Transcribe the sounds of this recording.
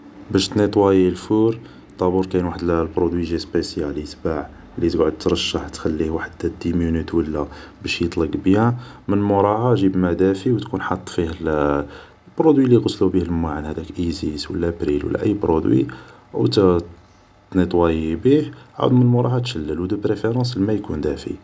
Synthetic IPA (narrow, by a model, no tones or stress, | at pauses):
bæʃt̪nit̪ˤwæjilfuɾ | t̪ˤːɑbuɾkæjnwaħəd̪lbɾod̪wiʒispæsjælit̪baʕ | lit̪ɡʕod̪̚t̪ɾˤɑʃːaħt̪xælːihwaħd̪ːæd̪imjunit̪wəlːæbæʃjət̪ˤləɡbihæ | mənmoɾˤɑhɑʒibmæd̪æfiwt̪kunħɑt̪ˤːfihl | lbɾod̪wilːiɡɑslubihəlmaʕanhæd̪ækʔiziswə̰lːæbɾilwə̰lːæ̰ʔə̰jːbɾod̪wḭ | wt̪ | t̪nit̪ˤwæjibihʕa̰d̪umənlmʊɾˤɑhɑt̪ʃəlːəlwd̪əpɾefeɾˤɑ̃s̬lmæjkund̪æfḭ